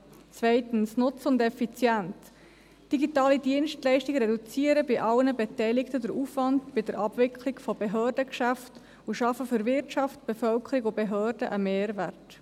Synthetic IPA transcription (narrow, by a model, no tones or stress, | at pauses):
t͡svɛɪtənsnʊt͡sʊndɛfit͡sjænt | d̥iɡitɑːlidiənʃtlɛɪʃtiɡɾɛdut͡siːəɾəbɪʔɑlnəbɛtɛɪlɪktədəɾuːfvɑndb̥ɪdəɾʔɑb̥vɪkʰlɪɡfɔbeɦøːɾdəkʃæft | uʃɑfəfʏɾvɪɾtt͡ʃɑft̚b̥efœlkʰəɾiɡʊbeɦøːrd̥əʔəmeːɾvært